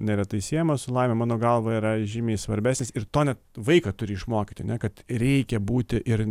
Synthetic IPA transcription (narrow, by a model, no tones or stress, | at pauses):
nʲɛɾʲɛt̪ɐɪsʲiɛjɛmɐsʊlˠɐɪmʲɛmɑːnoːɡɐlˠʋɐɪɾɐʒʲɪmʲeːsʋɐɾʲbʲæːsʲnʲɪːsɪrt̪oːnʲɛt̪ʋɐɪkɐt̪ʊɾʲɪɪʃmoːkʲitʲɪɐnʲɛkɐt̪ɾʲɛɪkʲɛbuːt̪ʲɪʔɪr